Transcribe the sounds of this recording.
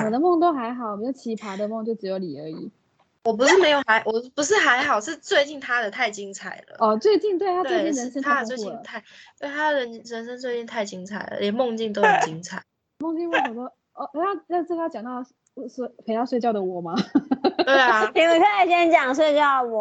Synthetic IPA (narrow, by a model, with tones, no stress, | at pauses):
wɔ˨˩d̪ə˦mo˥˩ŋt̪o˥ʊxa˧˥ɪxɑ˨˩ʊme˧˥jo˨˩ʊt͡ɕʰi˧˥˩pʰa˧˥d̪ə˧˨mʊ˥˧ŋt͡ɕjo˥˩ʊʈ͡ʂɻ̩˧˥jo˧˥ʊli˨˩ə̰˞˧˥ḭ˨˩˦ | wɔ˨˩p̬u˧˥ʂɻ̩˥˩me˧˥ɪjo˨˩ʊxa˧˥ɪʔwɔ˨˩˥pu˧˦ʂ̬ɻ̩˥˩xa˧˥ɪxɑ˨˩ʊʂɻ̩˥˧t͡swe˥˧ɪt͡ɕi˥˩ŋt̪ʰa˥d̪ə˨t̪ʰa˥˩ɪt͡ɕi˦˥ŋt͡sʰa˨˩ɪlə̰˦ɔ˥˨t͡swe˥˧ɪt͡ɕi˥˧ŋt̪we˥˩ɪt̪ʰa˥tt͡swe˥˧t͡ɕi˥˩ɻə˧˥nʂə˥nʰa˥˨˥t͡swe˥˧ɪt͡ɕi˥˨t̪ʰa˥˩ɪwe˥˩˥t̪ʰa˥d̪ə˨ɻə˧˦˥n˥ɻə˧˥nʂə˥nt͡swɪt͡ɕi˥˧nt̪ʰa˥˩ɪt͡ɕi˥ŋt͡sʰa˨˩ɪlə̰˩ljɛ˨˩nmʊ˥˧ŋt͡ɕi˥˧ŋt̪o˥ʊjo˨˧˩ʊt͡ɕi˦˥ŋt͡sʰa˨˩ɪ˩ | mʊ˥˧ŋt͡ɕi˥˧ŋmo˥˩ŋwɔ˨˩t̪o˥ʊ | ɔ˥˧˩ʔe˥a˥a˥˧t͡s̩˥˩ka˥˩t͡ɕjɑ˨˩ŋt̪ɑ˥˧ʊ˥˧ | ʂ̩˥˩pʰe˧˥t̪ɑ˥˧swe˥˧ɪt͡ɕjɑ˥˩də˩wɔ˨˩ma˦t̪e˥˩˨i˨˥˨ɕɛ˥˩ɕjɛ˥nt͡ɕjɑ˨˩ŋswe˥˧ɪt͡ɕjɑ˥˩ʊwɔ˨˩